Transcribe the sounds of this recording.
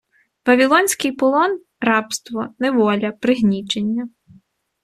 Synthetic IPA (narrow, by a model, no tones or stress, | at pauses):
ʋɐʋʲilˠɔnʲsʲkɪjpɔlˠɔn | rɑpst̪ʋɔnɛʋɔlʲɐpɾɪɦnʲit͡ʃenʲːɐ